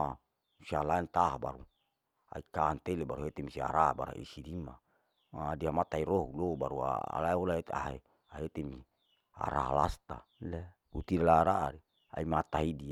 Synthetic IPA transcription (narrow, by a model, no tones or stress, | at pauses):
a | usialaɛnt̪aɦabaɾu | a̰ikaant̪elebaɾuɦet̪emisia̰ɾaba̰ɾa̰ʔḭsidima | madiamat̪aiɾoɦulobaɾua̰a̰laɛolaet̪a̰ɦe | aet̪emi | a̰ɾa̰ɦa̰last̪ale | ut̪idalaɾaa̰ɾi | a̰imat̪aɦidi